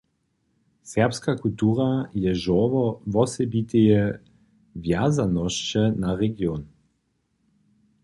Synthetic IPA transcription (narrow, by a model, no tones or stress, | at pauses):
sɛʁpskakult̪uːʁajɛʒɔvɔvɔsɛbit̪ejɛ | vjazanɔʃt͡ʃɛnaʁɛɡjon